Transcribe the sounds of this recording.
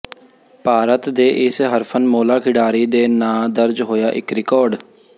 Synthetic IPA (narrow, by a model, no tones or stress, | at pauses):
paːɾət̪d̪eːʔɪsɦəɾpʰənmoːlaːkʰɪɖaːɾiːd̪eːnãːd̪əɾd͡ʒɦoːjaːʔɪkɾɪkɔːɾɖ